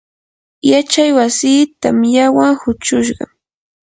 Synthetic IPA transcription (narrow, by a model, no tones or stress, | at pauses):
jat͡ʃajwasiːt̪amjawaŋhʊt͡ʃʊʃɢɑ̰